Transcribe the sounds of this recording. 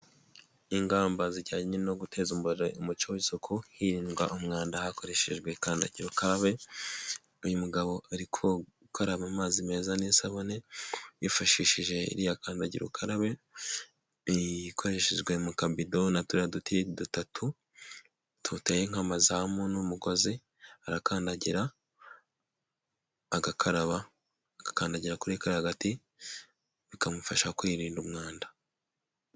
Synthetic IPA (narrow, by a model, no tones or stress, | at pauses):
iŋɡaːmbanziɟaɟiɲinnoɡutʰe̞zumboeumut͡ʃowisokʰohiɾiːnɡwaʔomŋaːndahako̞ɾe̞ʃeʒɡwe̞kaːnda̰ɟiɾukaɾaβe̞ | ujumuɡaβo̞aɾikʰo | kʰoɾaβamaːzime̞zanisaβoneifaʃiʃiʒe̞ḭɾijakaːndaɟḭɾṵkʰaɾaβe̞ | ikʰoɾeʃiʒɡwe̞mukabido̞natuɾadutidutatʰu | tʰutejeŋamazamonumuko̞zi | aɾakaːndaɟiɾa | ɡakʰaɾaβaː | ɡ̥akaːndaɟiɾakuɾekaɾahaɡati | βikamufaʃakwiɾiːndumŋaːndḁ